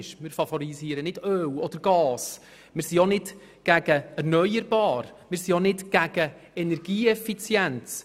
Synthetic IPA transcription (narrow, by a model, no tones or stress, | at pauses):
ʃmɪːɾfɑfɔɾiziːəɾənɪdøːwɔd̥əɾɡ̥ɑːs | mɪːɾsionɪt | ɡ̥æɡ̥əɛɾrnœjəɾbɑːɾmɪːɾsionɪtɡ̥æɡə | ɛnɛɾɡ̥iːɛfit͡sjɛnt͡s